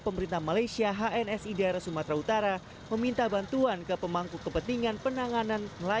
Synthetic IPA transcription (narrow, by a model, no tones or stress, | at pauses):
pəməɾint̪ahmalajsiaɦaɛnɛsidaɾasumat̪ɾaut̪aɾa | məmint̪abant̪uankəpəmaŋkukəpənt̪iŋanpənaŋananla